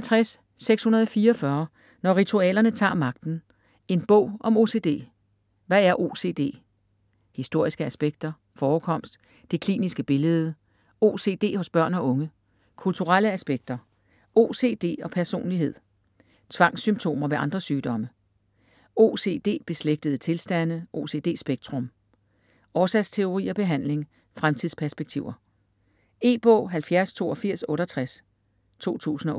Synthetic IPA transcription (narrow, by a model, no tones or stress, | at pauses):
ælt͡sʰʁasː | eɡ̥shunɐð̞ˠɒ̽fiːɐɒfɶːɐ | nɒʁit͡sʰuɛ̰ːlɐnət͡sʰɑ̰̈ːmɑ̈ɡ̥̚d̥n̩ | e̝nb̥ɔ̽ʊ̰ʔɒ̽mo̝se̝̰ːde̝̰ː | ʋææɐʔo̝ːse̝̰d̥e̝̰ː | hisd̥o̝ɐ̰isɡ̥əæsb̥eɡ̥̚d̥ɐ | fɒːkʰɒ̽m̰sd̥ | d̥e̝kʰlḭːnisɡ̥əb̥e̝ləð̩ˠə | o̝se̝̰ːd̥e̝̰ːhɔ̽sb̥ɶɐ̰nɒ̽ʔɔ̽ŋə | kʰult͡sʰuʁal̰əæsb̥eɡ̥̚d̥ɐ | o̝ːse̝ːd̥e̝̰ːɒ̽pʰæɐso̝̰ːnliɦe̝ð̞̰ˠ | t͡sʰʋɑ̈ŋ̰symt͡sʰo̝̰ːmɐʋe̝ɑ̈nd̥ʁɐsyːd̥ɒ̽mə | o̝ːse̝̰d̥e̝̰ːb̥e̝sleɡ̥̚d̥əðˠt͡sʰe̝lsd̥æn̰ʔo̝se̝̰ːd̥e̝̰ːsb̥eɡ̥̚dt͡sʰʁɔ̽m | ɒːsɛst͡sʰe̝o̝ʁḭːɒ̽b̥e̝ɦæn̰le̝ŋ | fʁamt͡sʰiðˠspʰæɐsb̥eɡ̥̚t͡sʰiʊ̰ɐ | e̝̰ːb̥ɔ̰̽ːɦælfjæɐst͡sʰo̝̰ːɒfiɐ̰sɔ̽ːɾ̥ɐɒt͡sʰʁas | t͡sʰo̝̰ːt͡sʰṵːsn̩ɒ̽